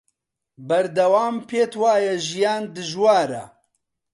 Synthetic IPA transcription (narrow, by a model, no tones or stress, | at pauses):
bɐɾd̪ɐwaːmpʰeːt̪waːjɐʒijaːnd̪ɨʒwaːɾɐ̰